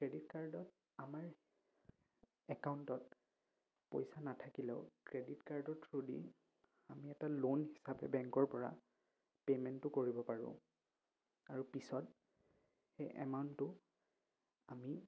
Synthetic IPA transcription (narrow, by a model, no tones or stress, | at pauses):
kɹeditkaɹdɔt | amaɹ | ɛkaʊntɔt | po̰jsanatʰakilɛ̰ʊkɹeditkaɹdɔtʰɹudḭ | amiɛtalonɦisapɛ̰bɛŋkɔɹpɔɹa̰ | pemɛntːʊkoɹibɔpaɹʊ̰̃ | aɹupisɔt | xejʔɛ̰maʊntʊ | ami